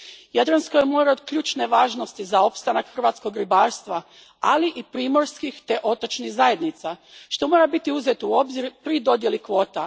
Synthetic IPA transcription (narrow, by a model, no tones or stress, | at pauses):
jed̪ɾansko̞jemo̞ɾaod̪kʎuːt͡ʃne̞ʋaːʒno̞st̪izao̞pst̪anakxr̩ʋaːt̪sko̞ɡɾibaːɾst̪ʋa | a̰liʔipɾiːmo̞ɾskixt̪e̞ʔo̞t̪o̞t͡ʃniɣzaje̞d̪nit̪saʃt̪o̞mo̞ɾabit̪iuzet̪uo̞bziɾpɾid̪o̞d̪je̞likʋo̞ːt̪a